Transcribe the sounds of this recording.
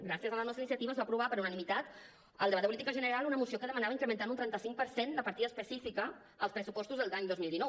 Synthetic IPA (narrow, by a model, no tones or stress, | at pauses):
ɡɾasiəzələnɔst̪inisjət̪iβəzβapɾuβapəɾunənimit̪at̪ | əlˠd̪əβad̪əpulit̪ikəʒənəɾalˠunəmusiokəðəmənaβəiŋkɾəmənt̪anunt̪ɾɛnt̪əsiŋk̚pəɾsend̪əpəɾt̪iðəspəsifikəː | lˠspɾəsupɔst̪uzðəlˠd̪aɲd̪ozmilˠd̪inɔw